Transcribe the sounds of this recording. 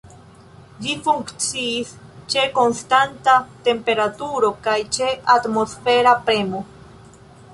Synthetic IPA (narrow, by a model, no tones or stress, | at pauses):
d͡ʒifuŋkt͡siːst͡ʃe̞ko̞nstantate̞mpe̞ɾatuɾo̞kajt͡ʃe̞ʔatmo̞sfe̞ɾapɾe̞mo̞